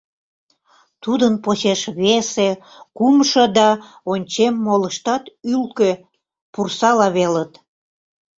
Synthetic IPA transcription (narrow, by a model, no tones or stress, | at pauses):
t̪ud̪ənposeʃβese | kumʃod̪ɑ | onʲt͡ɕemːoləʃt̪ɑt̪ylkø | pursɑlɑβelət̪